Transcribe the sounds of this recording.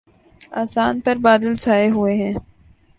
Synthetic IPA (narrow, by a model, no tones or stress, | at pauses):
aːsaːnpɐɾbaːd̪əlsaːeɦʊeɦɛ̃ː